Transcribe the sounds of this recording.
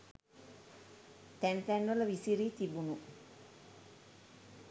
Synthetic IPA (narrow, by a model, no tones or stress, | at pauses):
t̪ænt̪ɛnʋələʋisiɾiːt̪ibunu